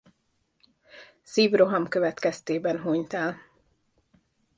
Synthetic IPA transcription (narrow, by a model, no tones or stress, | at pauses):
siːvro̞ɦɒmkøvɛt̪kɛst̪eːbɛnɦoɲt̪ɛl